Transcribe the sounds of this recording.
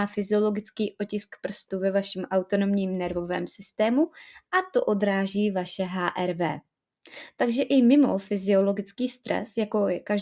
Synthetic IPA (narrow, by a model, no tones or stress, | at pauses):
aːfɪzɪo̞lo̞ɡɪt͡skiːʔo̞cɪskpr̩st̪uvɛvaʃɛmʔawt̪o̞no̞mɲiːmnɛɾvo̞vɛ̰ːmsɪst̪ɛːmuʔat̪o̞ʔo̞d̪ɾaːʒiːvaʃɛɦaːʔɛɾvɛ̰ː | t̪aɡʒɛʔɪmɪmo̞̰fɪzɪo̞lo̞ɡɪt͡skiːst̪ɾɛ̰sjako̞ɛkaʒ